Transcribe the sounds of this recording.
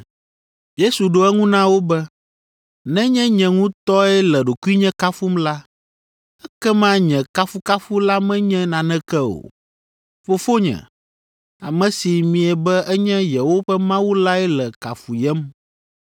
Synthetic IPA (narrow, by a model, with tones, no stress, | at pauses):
je˦su˨ɖo˨˦ɛ˦ŋũ˦nã˦wo˦bɛ˦ | nɛ̃˦ɲɛ̃˦ɲɛ̃˨ŋũ˦t̪ɔ˦ɛ˦lɛ˨ɖo˨ku˦i˦ɲɛ̃˦ka˦fu˦mla˦ | ɛ˦kɛ˦mã˦ɲɛ̃˨ka˦fu˦ka˦fu˦la˦mɛ̃˦ɲɛ̃˦nã˨nɛ̃˦kɛ˦o̰˨ | fo˨fo˦ɲɛ̰̃˨ | a˨mɛ̃˨si˨mĩ˨ɛ˨bɛ˦ʔɛ˦ɲɛ̃˦jɛ˨wo˦ɸɛ˦mã˦wu˦la˦ɛ˦lɛ˨ka˨fu˨jɛ˦m